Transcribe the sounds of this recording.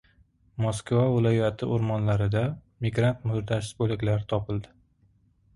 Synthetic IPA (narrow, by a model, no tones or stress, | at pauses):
mɒskvavɪlˠajat̪ʰɪ̰ʔʊɾmɒnlaɾɪd̪a | miɡɾant̪mʊɾd̪aʃsbolɪkʲlaɾɪt̪ʰɒpʰɪlˠd̪ɪ